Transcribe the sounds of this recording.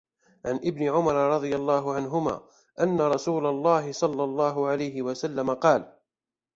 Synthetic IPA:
ʕanʔɪbnɪʕʊmɑɾˤɑɾˤɑd̪ˤɨjalˤːɑːɦʊʕanɦʊma̰ː | ʔanːaɾˤɑsuːlalˤːɑːɦɪsˤɑlːɑlˤːɑːɦʊʕalajɦɪwasalːamaqɑːl

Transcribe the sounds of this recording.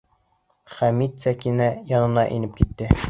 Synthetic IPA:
χæmit̪sækinæjɒnɤ̆nɑʔḭnɘp̚kit̪ːɘ

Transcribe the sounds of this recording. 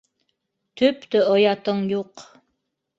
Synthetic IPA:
t̪ʰɵpt̪ɵojɑt̪ɤɴjuq

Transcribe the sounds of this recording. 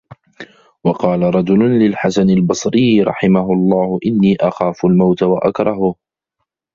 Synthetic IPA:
wɑqɑːlaɾˤɑd͡ʒʊlʊnlɪlħasanalbɑsˤɾɪjːɾˤɑ̰ħɪmaɦʊɑlˤːɑːhʊʔɪnːiːʔaxaːfʊlmawt̪awaʔakɾˤɑɦʊ

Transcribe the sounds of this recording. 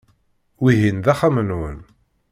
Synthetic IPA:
wiɦinðæχæmənwə̰n

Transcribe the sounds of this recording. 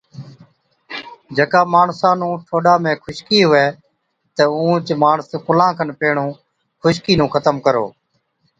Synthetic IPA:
d͡ʒəkaːmaːɳsãːnũːʈʰoːɗaːmẽːkʰʊʃkiːɦʊʋeː | t̪əũːt͡ʃmaːɳəskʊlãːkʰənpeːɳũː | kʰʊʃkiːnũːkʰət̪əmkəɾo̰ː

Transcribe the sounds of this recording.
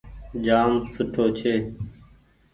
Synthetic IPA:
d͡ʒaːmsʊʈʰoːt͡ʃʰeː

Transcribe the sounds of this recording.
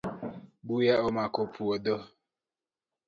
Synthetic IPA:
bujaɔmakopʰuɔdɔ

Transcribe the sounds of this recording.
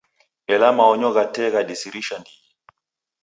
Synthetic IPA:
ɛlamaɔɲɔɣatɛɣaɗisiɾiʃandiɛ

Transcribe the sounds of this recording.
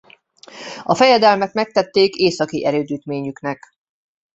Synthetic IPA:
ɒfɛjɛd̪ɛlmɛkmɛk̚t̪ɛt̪ːeːkeːsɒkiʔɛɾøːd̪yːt̪meːɲyknɛk

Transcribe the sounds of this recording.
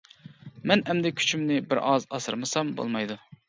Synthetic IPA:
mɛnɛmd̪ɛkʲʰy̥t͡ʃʰymnɪbɪɾʔɑzɑsɨ̰ɾmɨsɑmbo̰lˠmɑjd̪u

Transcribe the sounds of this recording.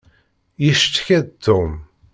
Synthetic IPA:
jəʃt̪ːçæðt̪ʰːum

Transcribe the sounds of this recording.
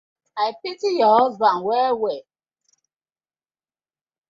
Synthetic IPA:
aɪpitijɔɔzbanwɛwe

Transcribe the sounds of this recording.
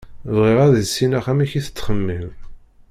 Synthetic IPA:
vʁɪʁæðəsːinæχæmiçiθə̥t͡sːχəmːil

